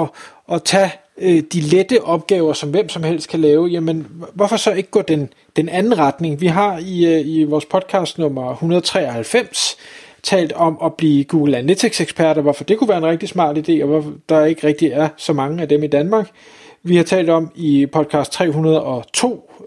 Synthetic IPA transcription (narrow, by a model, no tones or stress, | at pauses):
ɒ̽ʔɒ̽t͡sʰæ | d̥iled̥əʔɒ̽b̥̚ɡ̥ɛːʊɐsɒ̽mʋem̰sɒ̽mhel̰sd̥̚kʰælɛːʊjæmenʋɒfɒ̽sɒ̽e̝ɡ̥əɡ̥ɒ̰d̥en | d̥enænn̩ʁɑd̥ne̝ŋʋiɦɑ̈iiʋɒːspʰɒ̽d̥̚kʰɑ̈sd̥nɔ̽m̰ɐhunɐðˠt͡sʰʁɛ̰ːɒhælfem̰st͡sʰɛ̰ːld̥ɒ̽mɒ̽b̥liːɡ̥uːɡ̥l̩ænet͡sʰiɡ̥seɡ̥spʰæɐɾɐʋɒfɒ̽d̥e̝kʰuʋæːɐe̝nʁeɡ̥̚d̥ismɑ̰̈ːd̥id̥e̝̰ːɒʋɒfd̥ɑ̈æɐe̝ɡ̥əʁɛɡ̥̚d̥iæɐsɒ̽mɑ̈ŋəæd̥emid̥ænmɑ̈ːɡ̥ | ʋihɑ̈t͡sʰɛ̰ːld̥ɒ̽mipʰɒ̽d̥̚kʰɑ̈ːsd̥t͡sʰʁɛ̰ːɦunɐð̞ˠɒ̽t͡sʰo̝̰ː